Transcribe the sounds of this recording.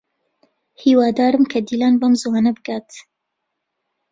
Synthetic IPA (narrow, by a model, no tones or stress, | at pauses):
hiːwɑːd̪ɑːɾɨmkʰɐd̪iːlɑːnbɐmzuwanɐbɨɡaːt̪